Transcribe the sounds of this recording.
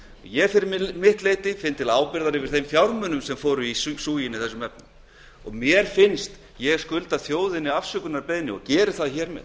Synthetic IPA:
ɔ̰ɣjɛɣfɪɾɪmmɪht̪leːjt̪ɪfɪnt̪ʰːɪlaːwpɪɾðaɾɪvɪɾ̥θejmfjawɾmʏnʏmsɛmfɔːɾʏissuːjɪnɪθɛsːʏmvɛpnʏm | ɔ̰ɣmjɛɾ̥fɪnst̪ | jɛɣskʏlt̪aθjoːwðɪnːɪafsʏkʏnaɾpeːjnɪɔ̰ɣcɛːɾɪθaðçɛːɾmɛ̰ð

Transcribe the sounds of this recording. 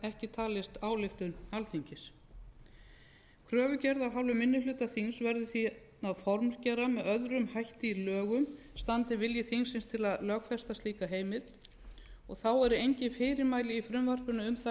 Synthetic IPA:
ɛhcɪt̪ʰaːlɪst̪aːwlɪft̪ʏnalθiɲcɪs | kʰɾœːvʏcɛɾðaɾ̥ɦawlʏmɪnːʏlʏːt̪aθinsvɛɾðʏθi | aðfɔɾmscɛɾamɛðœðɾʏmhajht̪ɪilœːɣʏm | st̪ant̪ɪvɪljɪθiŋsɪnst̪ʰɪlaðlœːkfɛst̪ast̪liːkaɦeːjmɪt̪ | ɔɣθawɛɾʏejɲcɪfɪːɾɪɾmaːjlɪifɾʏmvar̥pʏnʏʏmθa

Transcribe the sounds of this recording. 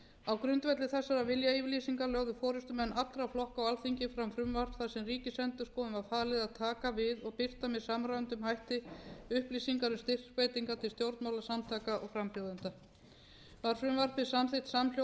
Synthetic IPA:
awkɾʏnt̪vɛt̪lɪθɛsːaɾavɪljaivliːsiŋkalœɣðʏfɔːɾʏst̪ʏmɛnːʔat̪ːɾawflɔhkawalθiɲcɪfɾamfɾʏmvar̥pθasɛmriːcɪsɛnt̪ʏ̥skɔːmʏmaðfaːlɪðaðt̪ʰaːkavɪðɔɣpɪr̥t̪amɛðsamɾaːnt̪ʏmhajht̪ɪʏhpliːsiŋkaɾʏmst̪ɪr̥kpeːjt̪iŋkat̪ʰɪlst̪jowɾt̪mawlasamt̪ʰaːkaʔɔɣfɾampjowðʏnt̪a | vaɾ̥fɾʏmvar̥pɪsamθɪjht̪saml̥jo

